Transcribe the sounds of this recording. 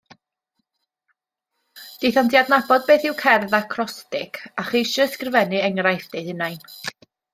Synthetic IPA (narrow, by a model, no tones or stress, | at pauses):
d̥ejθandʰjadnabɔd̚beːθɪwkʰɛrðakʰrɔstɪkʰaχiːʃəskrvɛnɨɛŋrajθd̥eðɪnajn